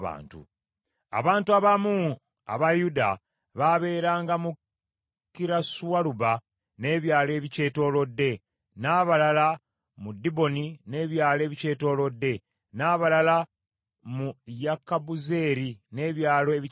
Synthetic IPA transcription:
βa̰ːntṵ | a̰βaːntuaβamu | a̰βajuda | βaβe̞ːɾaːŋɡamu | kːiɾasuwaluba | ne̞ːβjaːle̞ːβice̞ːto̞ːlo̞dːe̞ | naːβalala | mudibo̞nine̞ːβjaːle̞ːβice̞ːto̞ːlo̞dːe̞ | naːβalala | mujakabuze̞ːɾine̞ːβjaːle̞βi

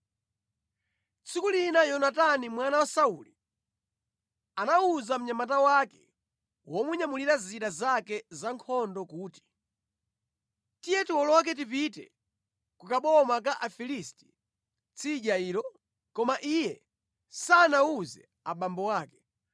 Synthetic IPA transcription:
t͡sʰikulinajɔnatanimwanawasauli | anauzam̩ɲamat̬awakɛ̰ | wɔmuɲamuliɾaziɗazakɛzaŋkʰɔndɔkuːti̥ | tijɛtiwɔlɔk̬ɛt̬ip̬itɛ̰ | kukaɓɔmak̬aʔafilisti̥ | t͡sʰiʄaiːɾɔ | kɔmaʔijɛ | sanauzɛ̰ | a̰ɓambɔwaːkɛ̥

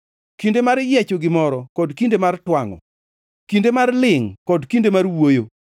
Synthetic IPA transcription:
kindemaɾjet͡ʃoɡɪmɔɾɔkɔdkindemartwaŋɔ̰ | kindemarlɪŋkɔdkindemarwojo

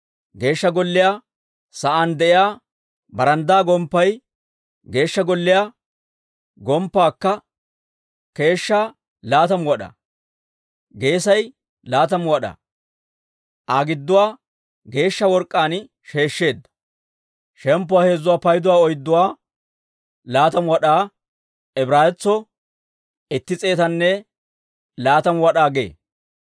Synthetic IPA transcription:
ɡe̞ːʃːɐɡɔlːɪjaː | sɐʔand̪ɛʔɪjaː | bɐɾɐnd̪aːɡɔmpːɐj | ɡe̞ːʃːɐɡɔlːɪjaː | ɡɔmpːaːkːɐ | ke̞ːʃːaː | laːt̪ɐmwɔɗɐ̰ | ɡe̞ːsɐj | laːt̪̬ɐmwɐɗɐ̰ | ʔaɡɪd̪ːʊwaː | ɡe̞ːʃːɐwɔɾkʼːaːn | ʃe̞ːʃːe̞ːd̪ːɐ̥ | ʃɛmpːʊwaːhe̞ːzːʊwaːpɐjd̪ʊwaːɔjɪd̪ːʊwaː | laːt̪ɐmwɐɗaː | ɛbɾaːjɛt͡sːɔ | ɪt̪ːɪt͡sʼe̞ːt̪ɐnːɛ | laːt̪ɐmwɐɗaːɡe̞̰ː

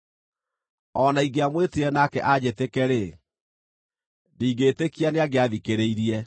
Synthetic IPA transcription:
ɔnaiɡeamweteɾɛnakɛ̰ʔad͡ʑetekɛɾe | diɡetekianeaɡeaðikeɾeiɾiɛ

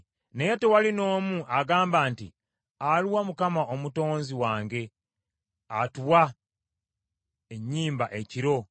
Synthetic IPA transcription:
neje̞towalino̞ːmuʔaɡaːmbaːnti | aluwamukamaʔo̞muto̞ːnziwaːŋɡe̞ | atuwa | eɲːiːmbaʔe̞ciɾo̞

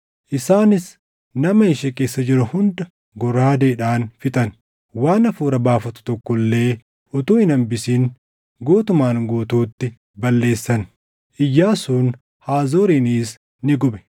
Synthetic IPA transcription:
ʔɪsaːnɪs | nɐmɐɪʃɛkʼeːsːɐd͡ʒɪɾɐhʊnd̪ɐ | ɡɔraːd̪eːᶑaːnfɪt̪ʼɐn | waːnɐfuːɾɐbaːfɐt̪ʊ̥t̪ɔkːɔlːe̞ː | ɔt̪uːɪnɐmbɪsiːn | ɡoːt̪ʊmaːŋɡoːt̪uːt̪ːɪ | bɐlːe̞ːsːɐn | ʔɪjːaːsuːn | haːzoːɾiːniːs | nɪɡʊɓɛ̥

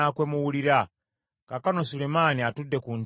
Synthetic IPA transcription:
akwemuwuliɾa | kakanosulemaniatudekun

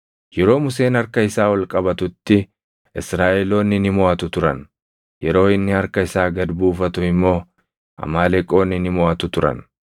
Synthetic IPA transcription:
jɛɾo̞ːmʊse̞ːnɐɾkɐɪsaːwɐlkʼɐbɐt̪ʊt̪ːɪ | ɪsɾaːʔɛlo̞ːnːɪnɪmɔɐt̪ʊt̪ʊɾɐn | jɛɾo̞ːɪnːɪhɐɾkɐɪsaːɡɐd̪buːfɐt̪ʊɪmːo̞ː | ʔɐ̰maːlɛkʼo̞ːnɪnɪmɔɐt̪ʊt̪ʊɾɐ̰n

